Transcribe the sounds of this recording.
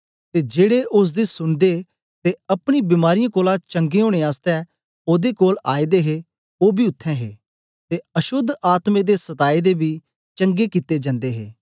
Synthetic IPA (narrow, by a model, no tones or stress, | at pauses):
t̪eːd͡ʒeːɽeʔʊs̬d̪eːsʊnd̪e | t̪eɐpɽ̃ibɪmaːɾijãːkoːlat͡ʃə̃ŋɡeɦõːɽ̃eaːst̪ɛ | oːd̪eːkoːlaːid̪eːɦe | oːbʱiːʊt̪ʰːɛ̃ːɦḛː | t̪eəʃʊd̪ʱaːt̪mẽːd̪eːsət̪aːid̪eːbʱiː | t͡ʃə̃ŋɡekit̪eːd͡ʒə̃nd̪eːɦḛː